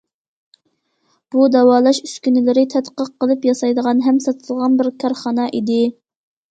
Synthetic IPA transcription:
b̥ud̪ɛwɑːlˠɑʃyskʲynɪlɪɾɪt̪ʰɛt̪qəqːəlˠɨpjɑsɑjd̪əʁɑnɦɛmsɑt̪ʰəlˠʁɑnbɪɾkʰɑɾχɑnɑʔid̪ɪ

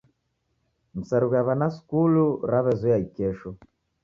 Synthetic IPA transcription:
m̩saɾuɣaβanaskuluɾaβɛzɔjaikɛʃɔ

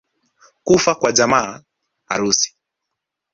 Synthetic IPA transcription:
kufakwad͡ʒamaː | a̰ɾusi̥

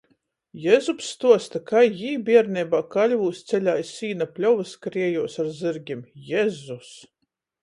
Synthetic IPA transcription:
jɛzupst̪uɔst̪akajːiːbʲiɛɾnʲɛbaːkalʲvuːst̪sɛlʲajsiːnapʲlʲɔwvɨskɾiɛjuɔsaɾzɨɾɡʲimjɛzus

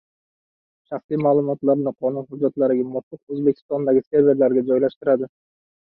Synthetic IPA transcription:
ʃɑχsijmaːlˠʊmɒt̪lˠɑɾnɪqʰonuhʊd͡ʒːat̪lˠɑɾɪɡʲamʊt̪ːʊqɵzbe̞kʲɪ̥st̪ond̪aɡʲɪskʲeɾvʲeɾlaɾɡʲad͡ʒɒjlɑʃt̪ɨɾad̪ɪ

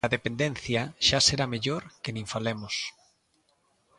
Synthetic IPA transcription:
ɐðepend̪en̟θjɐʃaseɾameʎoɾkenĩɱfalemʊs

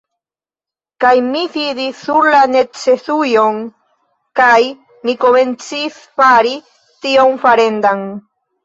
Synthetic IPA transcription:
kajmifiðisuɾlane̞t͡sesujoŋ | kaj | mikoment͡sis | faɾi | t̪ioŋfaɾe̞nd̪aŋ

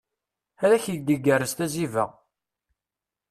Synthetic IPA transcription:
æɾæçəd̪əɡːərːəst̪æzivæ̰

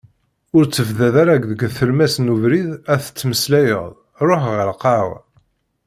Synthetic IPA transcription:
ʊɾt͡sːəvðæðaɾaɡðəɡθəlmæsnuvɾiðæθə̥t͡sːməslæjə̰ðˤ | ɾˤoħʁəlqɑw

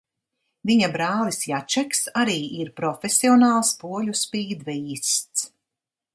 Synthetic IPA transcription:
viɲabɾaːlˠisjat͡ʃɛksaɾiːʔiɾpɾɔfʲesʲiɔnaːlˠspuɔlʲuspiːd̪vɛiːst̪s

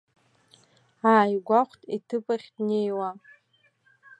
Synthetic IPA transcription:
aːjɡʷaχʷtʼḭtʰɨpʼaχʲdnejwa

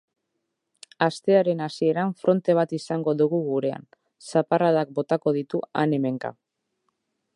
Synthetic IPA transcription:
ast̪e̞aɾe̞nasie̞ɾaɱfɾʔo̞nt̪e̞β̞at̪isaŋɡo̞ðuɣuɣuɾe̞a̰n | saparaðak̚bo̞t̪ako̞ð̞it̪ua̰ne̞me̞ŋka̰

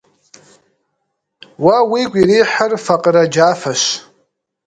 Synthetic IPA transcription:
wawikʷʼiɾiħərfaqʼrad͡ʒafaʃʷ

